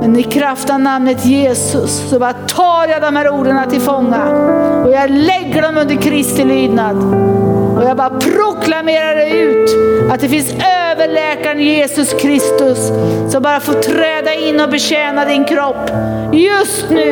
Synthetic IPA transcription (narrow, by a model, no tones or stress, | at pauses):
mɛnɪkʰɾaft̪anamnət̪jeːsɵsːɔbɑːɾat̪ʰɑːɾjad̪ɔmhæːɾuːɖəɳat̪ʰɪlfɔŋːaɔjɑːlɛɡːəɖɔmɵnd̪əɾkʰɾɪst̪ɪlyːd̪nad̪ | ɔjɑːɡbɑːɾapʰɾʊkʰlameːɾaɖɛʉ̟ːt̪at̪̚d̪ɛfɪnsøːvəɭɛːkaɾənjeːsɵskʰɾɪst̪ɵsːɔmbɑːɾafoːʈʰɾɛːd̪aɪnːɔbɛɕɛːnad̪ɪnkʰɾɔpː | jɵst̪nʉ̟ː